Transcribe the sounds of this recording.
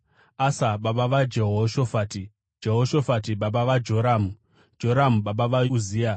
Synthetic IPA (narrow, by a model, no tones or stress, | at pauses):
asaɓaɓaʋad͡ʒeɦoʃofati | d͡ʒe̞ɦoʃo̞fatiɓaɓaʋad͡ʒo̞ɾamu | d͡ʒo̞ɾamuɓaɓaʋauziːa